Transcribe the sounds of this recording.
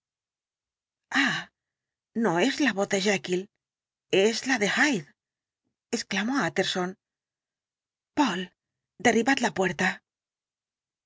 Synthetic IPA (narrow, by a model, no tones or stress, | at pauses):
a | noezlaβoθðeʒekil | ezlaðe̞xajð | esklamoat̪eɾson | pol | d̪e̞riβat̪lapweɾt̪a